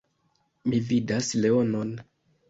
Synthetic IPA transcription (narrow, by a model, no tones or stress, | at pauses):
mividasle̞o̞no̞n